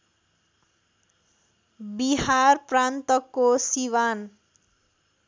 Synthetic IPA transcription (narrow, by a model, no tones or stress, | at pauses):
biɦharprant̪ʌkːosiwan